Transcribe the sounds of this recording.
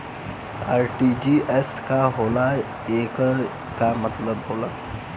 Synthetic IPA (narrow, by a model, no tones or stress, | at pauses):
aːɾʈid͡ʒiʔɛskaɦoːla | eːkəɾ | kamɐt̪ləbɦoːlaː